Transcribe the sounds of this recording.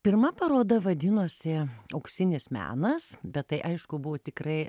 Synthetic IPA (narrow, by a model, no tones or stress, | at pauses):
pʲɪrmɐpɐɾoːd̪ɐʋɐd̪ʲɪnoːsʲɪɐʊksʲɪnʲɪsmʲæ̰ːnɐsbʲɛt̪tːɐɪʔɐɪʃkʊbʊʋoːt̪ʲɪkrɐɪ